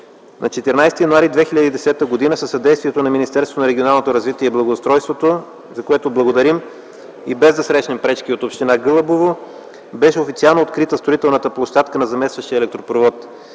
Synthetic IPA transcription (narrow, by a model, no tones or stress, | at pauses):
nɐt͡ʃɛt̪ɛɾnajst̪ijɐnoaɾid̪vɛxilʲəd̪iːd̪ɛsɛt̪əɡod̪inəsəsːɐd̪ɛjst̪viɛt̪onɐminist̪ɛɾst̪ot̪onɐɾɛɡionalˠnot̪oɾɐzvit̪iɛiblˠɐɡost̪ɾɔjst̪vot̪o | zɐkoɛt̪oblˠɐɡod̪ɐɾim | ibɛzd̪ɐsɾɛʃnɛmpɾɛt͡ʃkiot̪opʃt̪inaɡɤlˠəbovo | bɛʃɛofit̪sialˠnoːt̪kɾit̪əst̪ɾoit̪ɛlˠnət̪əplˠoʃt̪at̪kənɐzɐmɛst̪vəʃt̪iəɛlɛk̚t̪ɾopɾovɔt̪